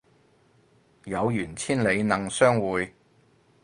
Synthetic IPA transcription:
jɐ˨˧wjyː˨˩nt͡sʰiː˥nle˨˧jnɐ˨˩ŋsœː˥ŋwuː˨˧j

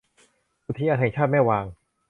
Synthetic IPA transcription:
ʔu˧˩t̪ʰiː˧˦˥ʔaː˧t̪ʰt͡ɕʰaː˥˩t̪̚maː˥˩jwaː˧ŋ

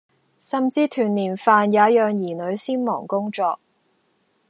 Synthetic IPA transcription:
sɐ˨mt͡siː˧t̪ʰyː˨˩nliː˨˩nfaː˨˧njaː˨˧˥jœː˨ŋjiː˨˩nɵ˨˧ɥsiː˥nmɔ̰ː˨˩ŋkʊ˥ŋt͡ʃɔː˧k̚

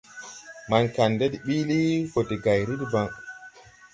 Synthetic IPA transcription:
ma˨nka˨nde˦dɓi˦li˦fo˨ti˨ɡa˨jɾi˦dba˦ŋ

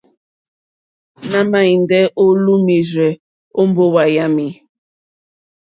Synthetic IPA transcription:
na˦ma˦i˨n˨dɛ˦ʔo˦lu˦mi˨zɛ˨ | o˦m˦bo˦wa˨ja˦mi˨

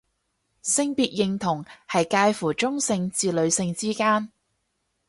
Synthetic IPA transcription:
sɪ˧ŋpiː˨t̚jɪ˨ŋt̪ʰʊ˨˩ŋhɐ˨jkaː˧jfuː˨˩t͡ʃʊ˥ŋsɪ˧ŋt͡siː˨lɵ˨˧ɥsɪ˧ŋt͡siː˥kaː˥n

